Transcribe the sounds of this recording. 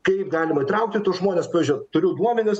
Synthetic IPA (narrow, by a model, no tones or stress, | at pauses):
kɐɪpɡɑːlʲɪmɐiːt̪ɾɐʊk̚t̪ʲɪt̪ʊsʒmoːnʲespɑːʋʲizʲʊɪt̪ʊɾʲʊd̪uɔmʲɛnʲɪs